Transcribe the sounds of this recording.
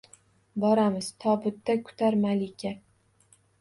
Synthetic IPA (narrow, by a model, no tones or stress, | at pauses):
bɒɾamɪz̥t̪ʰɒbʊt̪ːakʰʊ̥t̪ʰaɾmalɪkʲʰa